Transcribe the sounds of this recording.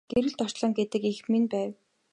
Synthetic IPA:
ɡ̥eɾɘ̆ɮt̪ɔ̥t͡ɕɮɞ̆ŋɡet̪ɘ̆kixminpæːw

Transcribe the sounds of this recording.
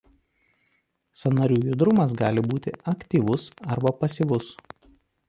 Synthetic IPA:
sɐnɐɾʲuːjʊd̪ɾʊmɐs̬ɡɑːlʲɪbuːt̪ʲɪɐkt̪ʲiːʋʊsɐɾbɐpɐsʲiʋʊs

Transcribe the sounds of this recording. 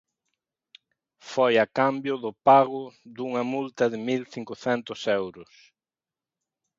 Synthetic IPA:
fojɐkambjʊðʊpaɣʊðuŋɐmult̪ɐðɪmilθiŋkʊθɛnt̪ʊsewɾʊs

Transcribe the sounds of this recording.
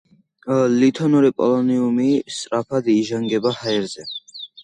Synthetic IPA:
lit̪ʰɔnuɾipʼɔ̰lɔniumist̪ʼɾapʰad̪iːʒaŋɡɛbahaɛɾzɛ

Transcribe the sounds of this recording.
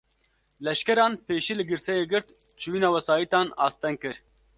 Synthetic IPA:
lɛʃkɛɾɑːnpeːʃilɨɡɨɾsɛjeːɡɨɾt̪ | t͡ʃʰɨwiːnɑːwɛsɑːjit̪ɑːnɑːst̪ɛŋɡ̚kɨɾ

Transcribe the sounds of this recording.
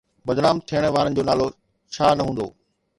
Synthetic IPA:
bɐd̪naːmt̪ʰijəɽ̃ʋaːɾən̆d͡ʑoːnaːlo | t͡ɕʰaːnɐɦũːnd̪o̰ː

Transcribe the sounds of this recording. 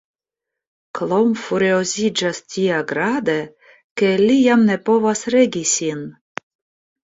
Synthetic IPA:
klˠomfuɾʲiozʲid͡ʒastʲiaɡɾad̪e | kelʲijamnepovasɾeɡʲisʲin

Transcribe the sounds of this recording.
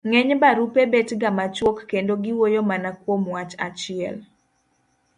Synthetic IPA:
ŋɛɲbaɾupebetɡamat͡ʃwokːendoɡɪwojomanakwomwat͡ʃa̰t͡ʃɪɛ̰l

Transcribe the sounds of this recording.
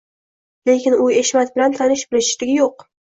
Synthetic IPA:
le̞kʲɪnʊeʃmat̪̚bɪlant̪ʰanɪʃbɪlɪʃɪ̥ʃlɪɡʲɪjoq

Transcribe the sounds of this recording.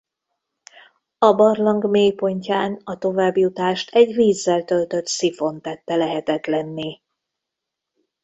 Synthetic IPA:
ɒbɒrlɒŋɡmeːjpo̞ɲcaːnɒt̪o̞vaːbjut̪aːʃt̪ʰɛɟviːzːɛlt̪ø̞lt̪ø̞t̪sifo̞nt̪ɛt̪ːɛlɛɦɛt̪ɛt̪lɛnːi

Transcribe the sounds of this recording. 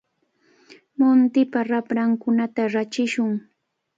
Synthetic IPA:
mʊnt̪ɪpaɾapɾaŋkʊnat̪aɾat͡ʃɪʃʊŋ

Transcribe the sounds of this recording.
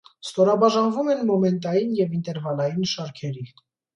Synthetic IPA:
st̪ɔɾɑbɑʒɑnvumɛnmɔmɛnt̪̬ɑjinjɛvint̪ɛɾvɑlɑjinʃɑɾkʰɛɾi

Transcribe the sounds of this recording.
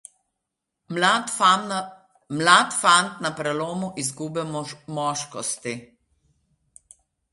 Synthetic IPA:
mlaːt̪fant̪napɾɛloːmuʔizɡubɛmɔːʃkɔst̪i

